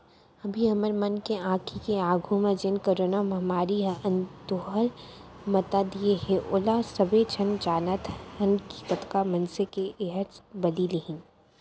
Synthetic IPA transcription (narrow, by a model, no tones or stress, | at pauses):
ɐbʱiɐməɾmɐnkeãːkʰikeaːɡʱũmẽd͡ʒɪnkoɾoːnamɐɦmaːɾiə̃nt̪oɦəl | mɐt̪ad̪ieɦẽʔʊlasɐbet͡ʃʰɐnd͡ʒaːnat̪ʰɐnki̥t̪ɐt̪kamɐnsekeʔeɦəɾbɐliːliɦĩn